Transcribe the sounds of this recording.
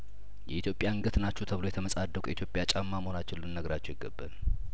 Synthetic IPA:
jɛʔit̪ʰjo̞pʼjaŋɡət̪ʰɨnat͡ʃːut̪ʰəβɨlo̞jɛt̪ʰəməsʼad̪ːəkʷʼjɛ̰it̪jopʼjat͡ʃʼamːamhonat͡ʃːɪlːɨnːəɡɾat͡ʃːɛjɪɡəbːa̰l

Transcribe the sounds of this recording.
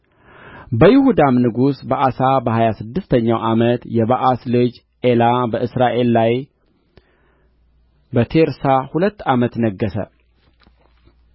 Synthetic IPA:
bəjɪhud̪amnɨɡusbaʔasabəhajasɨd̪ːɨst̪ʰəɲːa̰wʔamət̪jɛβaʔaslɨd͡ʒ | ʔelabəʔɨsɾaʔe̞lːaj | bət̪ʰeɾsahulət̪ːamət̪nəɡːəsə̰

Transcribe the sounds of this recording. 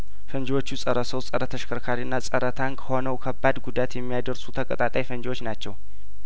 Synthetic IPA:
fənd͡ʒwo̞t͡ʃːusʼəɾəsəwsʼəɾət̪ʰəʃkʰəɾkʰaɾiɨnːasʼəɾət̪ʰankʰəho̞nəwkʰəbːad̪ɡud̪at̪jɛmːijad̪əɾsut̪ʰəkʼət̪ʼat̪ʼajfənd͡ʒwo̞t͡ʃːnat͡ʃːɛw

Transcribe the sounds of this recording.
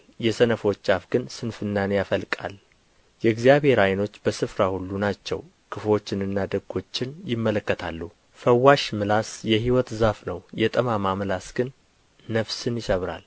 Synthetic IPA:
jɛsənəfo̞t͡ʃːafɡ̥ɨnsɨnfɨnːanejafəlkʼa̰l | jɛɡzijaβhe̞ɾajno̞t͡ʃːbəsɨfɾahulːunat͡ʃːɛ̰w | kʰɨfo̞t͡ʃːɪnɨnːad̪əɡo̞t͡ʃːɪnjɪmːələkːət̪ʰa̰lːu | fəwːaʃmɨlasjɛhiwɔt̪zafnəwjɛt̪ʼəmamamɨlasɡ̥ɨnː | əβsɨnjɪsəβɾa̰l

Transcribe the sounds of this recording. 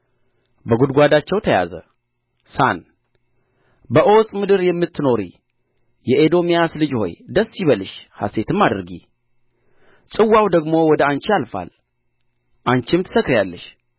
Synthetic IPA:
bəɡud̪ɡʷad̪at͡ʃːɛwt̪ʰəja̰zə̰ | san | bəʔo̞sʼmɨd̪ɨɾjɛmːɨt̪ʰːɨno̞ɾḭ | jɛʔed̪o̞mijaslɨd͡ʒho̞̰jd̪əsiβəlɨʃha̰se̞t̪ʰɨmːad̪ɨɾɡḭ | sʼɨwːawd̪əɡmo̞wɔd̪əant͡ʃialfa̰l | ʔant͡ʃɪmt̪ʰɨ̥səkɾjalːəʃ

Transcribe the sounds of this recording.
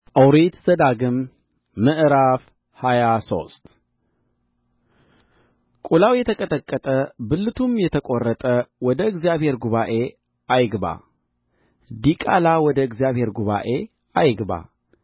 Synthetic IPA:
əwɾit̪zəd̪aɡɨmː | ɨʔɨɾaf | hajaso̞̰st̪ | kʼulawjɛt̪ʰəkʼət̪ʼəkʼːət̪ʼəbɨlːɨt̪ʰumjɛt̪ʰəkʼorːət̪ʼəwɔd̪əɨɡzijaβhe̞ɾɡuβaʔe̞ | ʔajɡba̰ | d̪ikʼa̰lawɔd̪əɨɡzijaβhe̞ɾɡuβa̰ʔe | ajɡba̰

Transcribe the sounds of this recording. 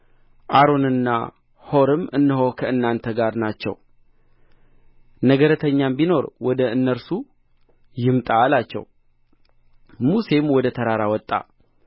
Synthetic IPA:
ʔaɾo̞nɨnːa̰ | ho̞ɾɨmɨnːɨɦo̞kʰəɨnːant̪ʰəɡaɾnat͡ʃːɛ̰w | nəɡəɾət̪ʰəɲːambino̞ɾwɔd̪əɨnːəɾsu | jɪmt̪ʼaːlat͡ʃːɛ̰w | muse̞mwɔd̪ət̪ʰəɾaɾawɔt̪ʼːa̰

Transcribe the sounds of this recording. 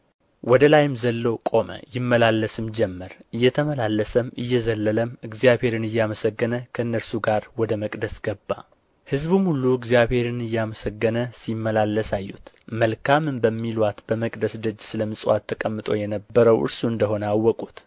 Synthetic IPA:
wɔd̪əlajɪmzəlːo̞kʼo̞mə̰jɪmːəlalːəsɨmd͡ʒɛmːəɾɨjːɛt̪ʰəməlalːəsəmɨjːɛzəlːələmɨɡzijaβhe̞ɾɨnɨjːaməsəɡːənəkʰəɨnːəɾsuɡaɾwɔd̪əməkʼd̪əsɡ̥əbːa | hɨzbumhulːuɨɡzjaβhe̞ɾɨnɨjːaməsəɡːənəsimːəlalːəsajːṵt̪ | məlkʰamɨnbəmːilwat̪b̥əməkʼd̪əsd̪ɨd͡ʒːsɨləmɨsʼwat̪ʰːəkʼəmːɨt̪ʼo̞̰jɛnəbːəɾəwʔɨ̰ɾsuɨnd̪əɦo̞nəawːɔkʼut̪

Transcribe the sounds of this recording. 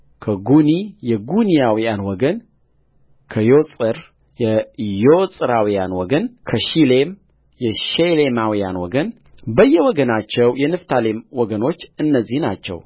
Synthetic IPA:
kʰəɡunijɛɡunijawijanwɔɡən | kʰəjosʼɨɾ | jɛjosʼɨɾawijanwɔɡənkʰəʃilem | jɛʃelemawija̰nwɔɡən | bəjːɛwɔɡənat͡ʃːɛwjɛnɨft̪ʰalemwɔɡəno̞t͡ʃːɨnːəzːihnat͡ʃːɛ̰w

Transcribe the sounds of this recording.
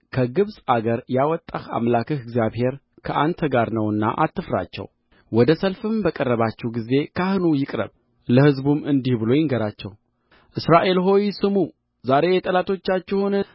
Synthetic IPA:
kʰəɡɨβsʼaɡəɾjawɔt̪ʼːaha̰mlakʰəhɨɡzjaβhe̞ɾ | kʰəʔant̪ʰəɡaɾnəwɨnːa̰ʔat̪ʰːɨfɾa̰t͡ʃːɛ̰w | wɔd̪əsəlfɨmbəkʼərːəβat͡ʃːɛwɡize̞kʰahɨnujɪkʼɾə̰β | ləhɨzbumɨnd̪ihbɨlo̞jɪŋɡəɾat͡ʃːɛ̰w | ʔɨsɾaʔe̞lɦo̞jsɨmu | zaɾe̞jɛt̪ʼəlat̪ʰo̞t͡ʃːat͡ʃːɛhun

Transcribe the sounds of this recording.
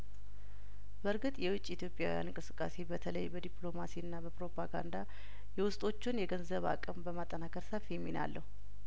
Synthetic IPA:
bəɾɡɨt̪ʼjɛwʊt͡ʃʼːiit̪ʰjo̞pʼːja̰wija̰nɨŋkʼɨsɨ̥kʼːa̰se̞bət̪ʰələjbəd̪ipʼlo̞masiɨnːabəpɾo̞pʰaɡa̰nd̪a | jɛwʊst̪ʼo̞t͡ʃːɪnjɛɡənzəβa̰kʼəmbəmat̪ʼːənakʰəɾsəfjɛmːina̰lːəhu

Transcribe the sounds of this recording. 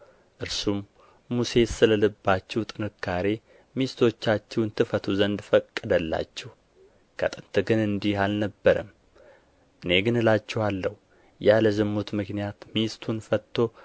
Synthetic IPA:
ʔɨɾsumː | use̞sɨləlɨbːat͡ʃːɛwt̪ʼɨnɨkʰːaɾe̞ | mist̪ʰo̞t͡ʃːat͡ʃːɛwnt̪ʰɨfət̪ʰuzənd̪fəkʼːɨd̪əlːa̰t͡ʃːɛh | kʰət̪ʼɨnt̪ʰɨɡɨnɨnd̪ihalnəbːəɾəm | ʔɨne̞ɡɨnɨlat͡ʃːɛhalːəhu | jaləzɨmːut̪mɨknijat̪mist̪ʰunfət̪ʰːo̞

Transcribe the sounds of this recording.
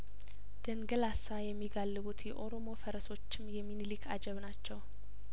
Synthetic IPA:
d̪̥əŋɡəlasajɛmːiɡalːɨβut̪jɛʔo̞ɾo̞mo̞fəɾəso̞t͡ʃːɪmjɛmːinɨlikʰa̰d͡ʒɛβnat͡ʃːɛw

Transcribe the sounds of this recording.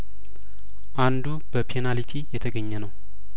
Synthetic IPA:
ʔand̪ubəpʰenalit̪ʰijɛt̪ʰəɡəɲːɛnəw

